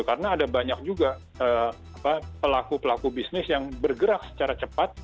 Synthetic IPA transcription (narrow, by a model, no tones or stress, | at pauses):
kaɾənaːdabaɲak̚d͡ʒuɡa | əː | apapəlakupəlakubisnɪsjaŋbərɡəɾak̚sə̥t͡ʃaɾat͡ʃəpat̪̚